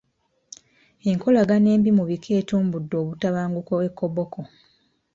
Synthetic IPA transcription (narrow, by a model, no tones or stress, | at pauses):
e̞ŋkʰo̞laɡane̞ːmbimuβikʰe̞ːtuːmbudːo̞ːβutaβaːŋɡukoekːo̞bo̞kʰo